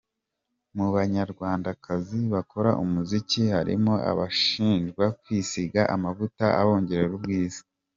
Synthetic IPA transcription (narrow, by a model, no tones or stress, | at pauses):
muβaɲaɾɡwaːndakaziβako̞ɾaʔumuzicihaɾḭmoa̰βaʃiːnʒɡwakwisiɡaʔamavutaa̰βo̞ːɲɟe̞ɾe̞ɾubɡiːz̥i̥